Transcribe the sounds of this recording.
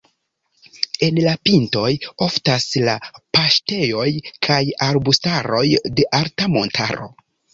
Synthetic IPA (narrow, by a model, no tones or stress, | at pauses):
e̞nlapinto̞jo̞ftaslapaʃte̞jo̞jkʰajaɾbustaɾo̞jde̞ʔaɾtamo̞ntʰa̰ɾo̞̰